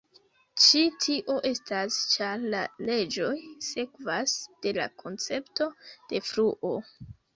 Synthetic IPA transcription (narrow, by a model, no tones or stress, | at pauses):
t͡ʃitʰiʔo̞ʔe̞stast͡ʃaɾlale̞d͡ʒo̞jse̞kvasd̥e̞la̰kʰo̞nt͡se̞pto̞d̥e̞fɾuʔo̞